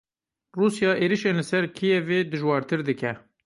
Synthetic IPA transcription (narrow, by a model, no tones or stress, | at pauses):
ruːsjɑːʔeːɾiʃeːnlɨsɛɾkʰijɛveːd̪ɨʒwɑːɾt̪ʰɨɾd̪ɨkʰɛ